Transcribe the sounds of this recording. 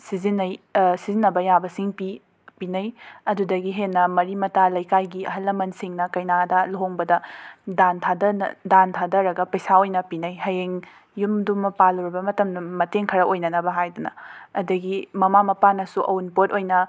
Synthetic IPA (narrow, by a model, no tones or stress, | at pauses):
sizinːɐjsizinːɐbɐjabɐsiŋpi | pinɐjɐdudɐɡiɦenːɐmɐɾimɐtalɐjkajɡiɐɦɐlːɐmɐnsiŋnɐkɐjnadɐloɦoŋbɐdɐdantʰadɐ̰dantʰadɐɾɐɡɐpɐjsaojnɐpinɐjhɐjeŋ | jumdumɐpaluɾɐbɐmɐtɐmnɐmɐteŋkʰɐɾɐʔojnɐnɐbɐɦajdunɐ̰ɐdɐɡimɐmamɐpanɐsuʔɐ̰wunpotojnɐ